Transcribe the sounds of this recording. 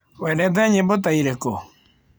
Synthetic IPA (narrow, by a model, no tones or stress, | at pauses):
wɛnɛt̬ɛɲembot̬aiɾeko